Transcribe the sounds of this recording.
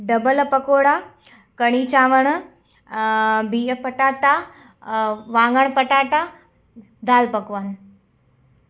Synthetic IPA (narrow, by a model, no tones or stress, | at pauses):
ɖɐbəlɐpɐkoːɽa | kɐɽ̃iːt͡ʃaːʋəɳ̃ | bʱiːəpɐʈaːʈa | ʋãːŋɡəɳ̃pɐʈaːʈa | d̪aːlpɐkʋaːn